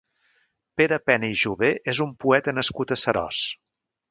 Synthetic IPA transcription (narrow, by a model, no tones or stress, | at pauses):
peɾəpɛnəiʒuβeʔezumpuɛt̪ənəskut̪əsəɾɔ̰s